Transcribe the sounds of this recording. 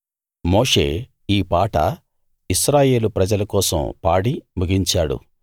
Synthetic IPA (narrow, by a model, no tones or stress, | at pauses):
moːʂe̞̰ː | iːpaːʈɐ̰ | isɾaːje̞ːlupɾɐd͡ʒɐlɐkɔːsɐ̰mpaːɽimuɡiɲt͡ʃaːɽṵ